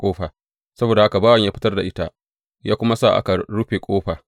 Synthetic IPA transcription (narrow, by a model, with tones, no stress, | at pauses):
kʷʼoː˦ɸaː˨ | sɐ˦boː˨da˨ha˦ka˨baː˦wɐ˨ɲjaː˦ɸɪ˦tɐ˦rda˨ʔɪ˦ta˦ʔ | jaː˦kʷʊ˦ma˦saː˦˨ʔa̰˦ka˨ɽu˦ɸe˨kʷʼoː˦ɸaː˨